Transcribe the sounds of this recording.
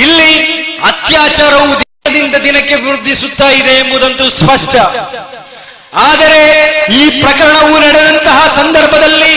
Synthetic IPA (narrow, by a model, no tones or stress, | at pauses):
ilːiɐt̪jaːt͡ʃaːɾɐʋud̪ɛɐd̪ind̪ɐd̪inɐkːe̞ʋɾud̪ʱːisut̪ːaːjid̪e̞ːmbud̪ɐnt̪uspɐʂʈɐ | aːd̪ɐɾe̞iːpɾɐkɐɾɐɳɐʋunɐɽed̪ɐnt̪ɐɦɐsɐnd̪ɐɾbʱɐd̪ɐlːi